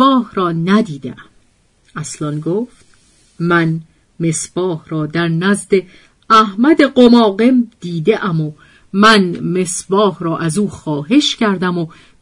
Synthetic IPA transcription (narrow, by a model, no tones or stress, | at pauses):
ɒːhɾɒːnæd̪iːd̪ḛʔæm | æslɒnɡoːft̪ | mæn | me̞sb̥ɒːhɾɒːd̪æɾnæzd̪e̞ | æhmæd̪e̞ɢomɒːɣe̞md̪̥iːd̪eʔæmo | mænme̞sbɒːhɾɒːʔæzuːxɒːɦe̞ʃcæɾd̪æmo